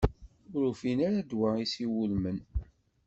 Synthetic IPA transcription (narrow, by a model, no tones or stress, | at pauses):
ʊɾufinaɾad̪waisiwulmən